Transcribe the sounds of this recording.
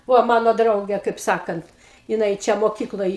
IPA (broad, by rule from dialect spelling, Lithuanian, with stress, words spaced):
ˈʋoː ˈmɑːnoː ˈdrɐʊɡʲɛ kɐɪp ˈsɑːkɐnt jɪˈnɐɪ ˈt͡ʃʲɛ moːˈkʲiːklˠoːj